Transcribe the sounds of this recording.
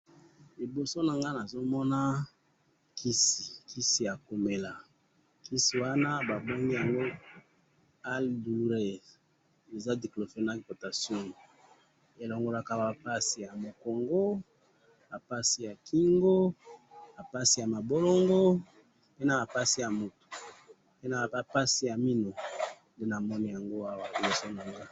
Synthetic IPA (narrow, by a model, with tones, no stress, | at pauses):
li˨bo˨so˦na˨ŋɡa˦na˨zo˦mɔ˦na˦ | kʰi˦si˨ki˦si˨ja˨ko˨me˨la˨ | ki˦si˨wa˦na˦ba˨bo˦ŋɡi˦ja˨ŋɡo˦ | a˦ldu˨ʁe˨ | e˨za˦de˨klo˨fe˨˦na˦˨po˨ta˨sjɔ̃˦ | e˨lɔ˨ŋɡo˨la˨ka˦ba˨pa˦si˨ja˨mo˨ko˨ŋɡo˦ | ba˨pa˦si˦ja˨kʰi˦ŋɡo˦ba˨pa˦si˨ja˨ma˨bo˦lo˦ŋɡo˦ | pe˦na˨ba˨pa˦si˦ja˨mo˨tu̥˨ | pe˦na˨ba˨pa˦si˨ja˨mi˦no˨ | nde˦na˨mɔ˦ni˦ja˨ŋɡo˦a˦wa˨i˦li˨so˦na˨ŋɡa˦